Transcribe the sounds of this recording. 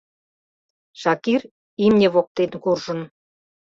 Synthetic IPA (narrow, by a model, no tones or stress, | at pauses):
ʃɑkir | imnʲĕβok̚t̪enkurʒə̆n